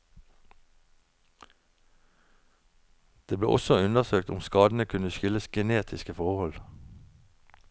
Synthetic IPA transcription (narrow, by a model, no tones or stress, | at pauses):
d̪̥eːblḛːʔɔsɔʉnəʁsøːk̚t̪ʊmskɑːd̪n̩əkʰʉnəʃʏləsɡəneːt̪ʰɪskəfɔʁhɔl